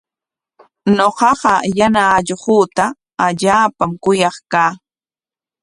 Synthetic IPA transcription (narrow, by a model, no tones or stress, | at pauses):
ɲoqɑɢɑjanaːʎhuːt̪a | aʎaːpamkʊjɑχkaː